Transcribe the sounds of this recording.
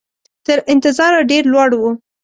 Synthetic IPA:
t̪əɾʔɪnt̪ɪzɑɾaɖeɾlwɑɽwu

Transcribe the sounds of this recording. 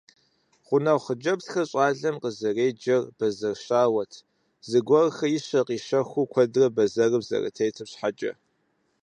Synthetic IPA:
χʷʊnɐwχəd͡ʒɐbtxɐɕʼɑːɮɐmqəzɐreːd͡ʒɐrb̥ɐzɐrʃaːwɐtʰ | zɨɡʷɔrxɐjɪɕɐqiːʃɐxʷukʷʰɐdrɐbɐzɐrɨbzɐ̰rɨ̰tʰɐjtʰɨpɕħad͡ʒʼɐ̰

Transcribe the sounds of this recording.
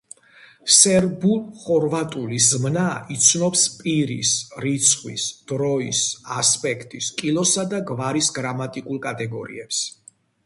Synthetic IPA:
sɛɾbulˠχɔɾvat̪ʼulizmnait̪sʰnɔpspʼiɾḭsɾit̪sʰχwḭsd̪̥ɾɔisaspʼɛkʰt̪ʼiskʼilˠɔsad̪aɡvaɾisɡɾamat̪ʼikʼulˠkʼat̪ʼɛɡɔɾḭɛps

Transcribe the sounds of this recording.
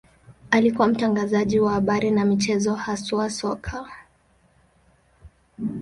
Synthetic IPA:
alikuwam̩taŋɡazaʄiwahaɓaɾinamit͡ʃɛzɔhasuasɔkʰa

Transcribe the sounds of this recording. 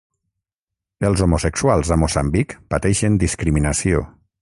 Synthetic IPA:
əlˠzomosekswalˠzəmosa̰mbikpat̪ɛʃənd̪iskɾiminasio̰

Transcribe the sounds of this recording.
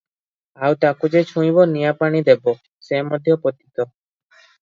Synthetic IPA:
awt̪akud͡ʒet͡ʃʰũĩbonijapaɽ̃id̪ebo | semɔd̪ʱːjopot̪it̪o

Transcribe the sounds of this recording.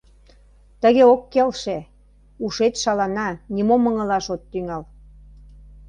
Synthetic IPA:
t̪əɣeokːelʃe | uʃet̪ʃɑlɑnɑnʲimomə̆ŋə̆lɑʃot̪ːyŋɑl

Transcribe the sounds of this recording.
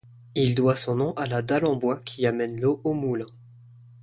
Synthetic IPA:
ild̪wasɔ̃nɔ̃ʔalad̪alɑ̃bwakʲʰiamɛnloʔomulɛ̃

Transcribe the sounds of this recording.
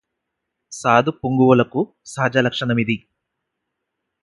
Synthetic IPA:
saːd̪upuŋɡuwulɐku | saːd͡ʒɐlɐkʂɐnɐmid̪i

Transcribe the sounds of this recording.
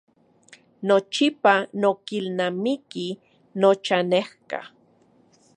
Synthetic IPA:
not͡ʃipanokilnamiki | not͡ʃanehka̰

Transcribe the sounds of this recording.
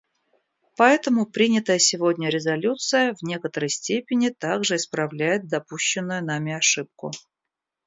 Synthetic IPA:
pɐɛt̪əmʊpɾʲinʲɪt̪əjəsʲɪvodʲnʲəɾʲɪzɐlʲut̪sɨjəvnʲe̞kət̪əɾəjsʲtʲepʲɪnʲɪt̪aɡʐɨɪspɾɐvlʲæjɪt̪̚d̪ɐpuɕːɪnːʊjʊnamʲɪɐʂɨp̚kʊ̰

